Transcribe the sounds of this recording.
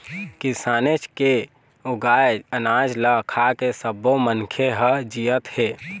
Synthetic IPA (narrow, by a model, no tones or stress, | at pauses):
kisaːnet͡ʃke | oɡaːənad͡ʒləkʰakesəbomənkʰeɦəd͡ʒijət̪heː